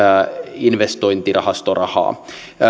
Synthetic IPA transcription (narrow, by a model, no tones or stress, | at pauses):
inʋest̪o̞jnt̪irɑhɑst̪orɑhɑ̰ː